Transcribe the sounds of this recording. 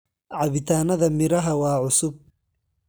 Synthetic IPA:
ʕɑβɪt̪ʰaːnɐðɐmɪɾɐɦɐwɑːʕʊsʊb̚

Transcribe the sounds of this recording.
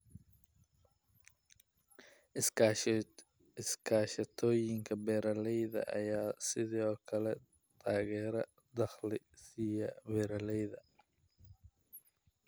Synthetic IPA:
ɪskʰaːʃɐt̪ʰɔːjɪŋkʰɐbɛːɾɐlɛjðɐ̰ʔɐ̰jaːsɪðɔːkʰɐlɛ | t̪ʰaːɣɛːɾɐ | d̪ɐχlɪ | sijɐbɛːɾɐlɛjðɐ

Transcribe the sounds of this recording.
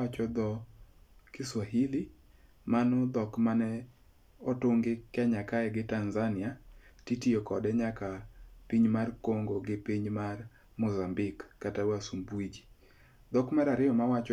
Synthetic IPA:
at͡ʃɔd̪ɔ | kiswaɦili | manɔd̪ɔkmanɛ | ɔtoŋɡɪkɛɲakaɛɡɪtanzanɪatitiokɔdɛɲakapiɲmarkoŋɡoɡɪpiɲmar | mʊzambɪkːatawasumbwid͡ʒi̥ | d̪ɔkmaɾaɾɪjɔmawat͡ʃ

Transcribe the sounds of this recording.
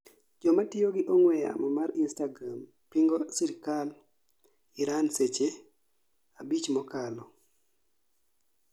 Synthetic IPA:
d͡ʒɔmatɪjoɡɪʔɔŋwɛja̰mɔmaɾinstaɡɾam | piŋɡɔsiɾikal | iɾanset͡ʃe | abit͡ʃmɔkalɔ

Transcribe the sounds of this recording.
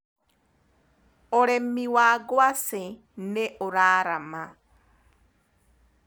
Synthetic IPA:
oɾemiwaːɡwase | neʔoɾaːɾama

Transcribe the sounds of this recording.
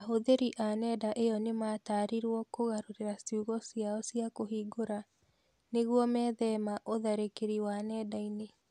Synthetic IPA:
aɦoðeɾiʔanɛdaʔeɔnemaːtaːɾiɾwɔkoɣaɾoɾeɾasiuɣɔsiaɔsiakoɦiːɡoɾa | neɣwɔmɛːðɛmaʔoðaɾekeɾiwanɛːdaine

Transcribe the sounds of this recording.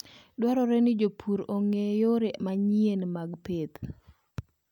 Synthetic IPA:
dwaɾɔɾɛnɪd͡ʒopʰuɾoŋejoɾemaɲienmaɡpet̪

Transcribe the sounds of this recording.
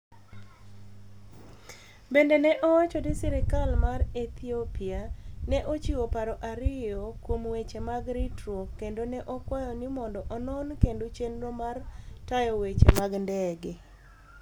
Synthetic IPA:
bendenɛʔɔwat͡ʃɔdisiɾɛkalmarɛt̪ʰiopianɛʔot͡ʃiwopaɾɔʔaɾɪjɔkwomwet͡ʃemaɡɾitɾokendonɛʔɔkwajɔnɪmɔndɔʔɔnɔnkendot͡ʃenɾomartajɔwet͡ʃḛmaɡndɛɡe

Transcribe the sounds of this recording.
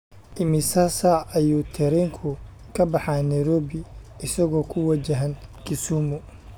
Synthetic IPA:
ʔɪmɪsɐsɐɐjuːt̪ʰɛɾɛŋkʰʊ | kʰɐbɑħɑːnɛjɾɔːβɪɪsɐɣɔːkʰʊwɐt͡ʃɐɦɐnkʰɪsuːmʊ

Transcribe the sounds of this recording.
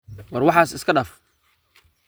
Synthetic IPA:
wɐrwɑħɑːsɪskʰɐɖaːf

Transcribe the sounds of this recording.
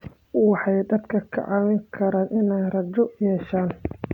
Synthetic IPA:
wɑħɑjd̪ɐd̪kʰɐkʰɐ̰ʕɑwɪŋkʰɐɾaːnʔɪnɛjrɐd͡ʒɔjɛːʃaːn

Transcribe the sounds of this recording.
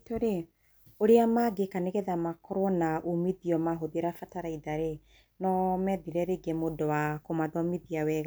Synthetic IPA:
toɾe | oɾeamaɡekaneɣɛðamakɔɾwɔnaʔomiðiɔmaɦoðeɾafataɾaiðaɾe | nɔmɛðiɾɛɾeɡemodɔwakomaðɔmiðiawɛɣa

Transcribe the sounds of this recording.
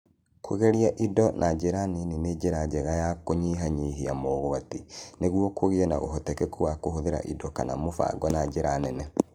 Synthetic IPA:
kʰoɣɛɾiaʔidɔnʔad͡ʒeɾanenened͡ʒeɾad͡ʒɛɣajakoɲiɦaɲiɦiamoːɣoateneɣwɔkʰoɣeɛna̰ɣo̰ɦɔtɛkɛkuwakoɦoðeɾa̰ʔidɔkana̰mofa̰ɡɔnad͡ʒeɾanɛnɛ

